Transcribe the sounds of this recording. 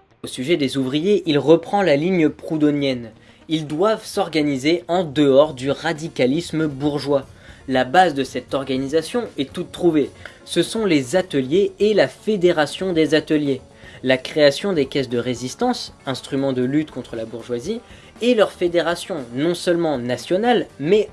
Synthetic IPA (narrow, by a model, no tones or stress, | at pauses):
osyʒɛd̪ezuvʁijeʔilʁəpχɑ̃laliɲəpχud̪ɔnjɛn | ild̪wavsɔʁɡanizeɑ̃d̪əɔʁd̪yʁad̪ikalisməbuʁʒwalabazd̪əsɛt̪ɔʁɡanizasjɔ̃ɛt̪ut̪ːχuve | səsɔ̃lezat̪əljeːlafed̪eʁasjɔ̃d̪ezat̪əlje | lakχeasjɔ̃d̪ekʲɛsd̪əʁezist̪ɑ̃sɛ̃st̪χymɑ̃d̪əlyt̪kɔ̃t̪χəlabuʁʒwazi | elœʁfed̪eʁasjɔ̃nɔ̃sœlmɑ̃nasjɔnalmɛ